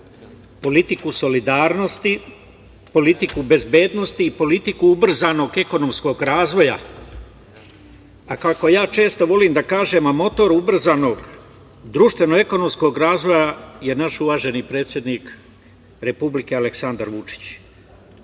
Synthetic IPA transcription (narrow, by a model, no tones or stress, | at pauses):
po̞lit̪ikuso̞lid̪aːɾno̞st̪i | po̞lit̪ikube̞zbe̞ːd̪no̞st̪iːpo̞lit̪ikuubr̩zaːno̞ɡe̞ko̞no̞msko̞ɡɾaːzʋo̞ja̰ | akako̞jaːt͡ʃe̞ːst̪oʋo̞liːmd̪akaːʒe̞mamo̞t̪o̞ɾubr̩zano̞ɡ | d̪ɾuːʃt̪ʋe̞noe̞ko̞no̞msko̞ɡɾaːzʋojaje̞naʃuʋaːʒe̞nipɾe̞ːt̪sje̞d̪niːk | ɾe̞publike̞ale̞ksand̪aɾʋut͡ʃi̥t͡ɕ